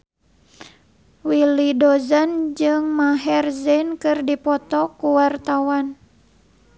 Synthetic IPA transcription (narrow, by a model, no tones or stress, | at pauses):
wilidɔzand͡ʒɨŋmaɦɛrzɛnkɨrdipɔt̪ɔkuwart̪awan